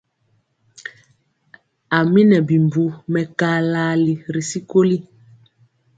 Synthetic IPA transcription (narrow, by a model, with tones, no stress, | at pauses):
a˨mi˦nɛ˨bi˨m˨bu˨mɛ˨kaː˦laː˦li˨ɾi˨si˦ko˦li˦